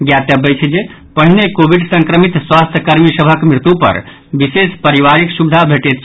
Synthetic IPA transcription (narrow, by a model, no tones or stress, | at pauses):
ɡjat̪jəbət͡ʃʰd͡ʒe | pəɦinekobʱiɖsə̃ŋkɾəmit̪swast̪ʰjəkəɾmisəbʱəkmɾit̪upə̰ɾ | bisespəɾiʋaɾiksubd̪ʱabʱeʈet̪̚ʰ